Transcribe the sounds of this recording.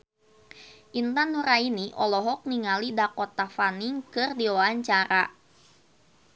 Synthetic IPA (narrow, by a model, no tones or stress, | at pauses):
ʔint̪anuɾainiʔɔlɔɦɔk̚niŋalidakɔt̪afaniŋkɨrdiwaaɲt͡ʃaɾa